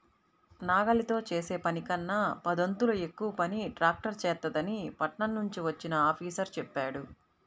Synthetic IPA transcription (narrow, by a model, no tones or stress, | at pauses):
naːɡɐlit̪o̞ːt͡ʃeːseːpɐnikɐnːaːpɐd̪ont̪ulɐekːuʋɐpɐniʈɾaːk̚ʈɐɾt͡ʃɛːt̪ːɐd̪ɐnipɐʈɳɐnːuɲt͡ʃiʋɐt͡ʃːinɐaːpʰiːsɐɾt͡ʃɛpːaːɽu